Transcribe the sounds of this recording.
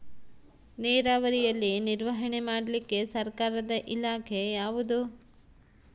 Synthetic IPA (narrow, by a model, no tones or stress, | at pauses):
nɛːɾaːʋɐɾijɐlːiniɾʋɐɦɐɳe̞maːɽɐlikːe̞sɐɾkaːɾɐd̪ɐʔilaːkʰe̞jaːʋud̪u